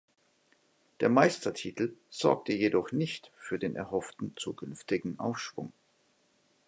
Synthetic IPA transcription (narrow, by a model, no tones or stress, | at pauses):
d̥eːɐmaɪstɐtʰiːtʰl̩z̥ɔ̰ɐk̚təjedɔχnɪçtfyːɐdeːnʔɛ̰ɐhɦɔftn̩t͡suːkʰʏnftɪɡŋ̩ʔa̰ʊfʃv̥ʊ̰ŋ